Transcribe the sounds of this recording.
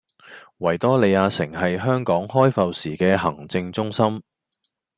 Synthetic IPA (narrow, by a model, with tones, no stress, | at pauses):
wɐ˨˩jt̪ɔː˥le˨˧jaː˧sɪ˨˩ŋɦɐ˨jɦœː˥ŋkɔː˨˥ŋɦɔː˥jfɐ˨˧wsiː˨˩kɛː˧ɦɐ˨˩ŋt͡sɪ˧ŋt͡sʊ˥ŋsɐ˥m